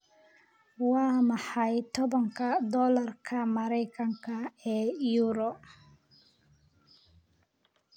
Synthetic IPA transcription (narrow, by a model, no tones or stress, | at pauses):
wɑːmɑħɑjt̪ʰɔβɐŋkʰɐd̪ɔːlɐrkʰɐmɐɾɛjkʰɐŋkʰɐɛːjuːɾɔ